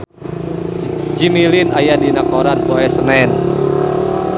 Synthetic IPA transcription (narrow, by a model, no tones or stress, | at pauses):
d͡ʒimilinajadinakɔɾanpɔɛsnɛn